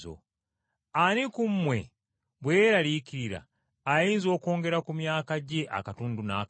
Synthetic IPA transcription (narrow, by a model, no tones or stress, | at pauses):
o̰ | anikumːwe̞̰ | βweɾalikiɾiɾa̰ː | jiːnzo̞ːko̞ːŋɡe̞ɾakumjaːkaɟe̞ʔa̰katuːnduna̰ː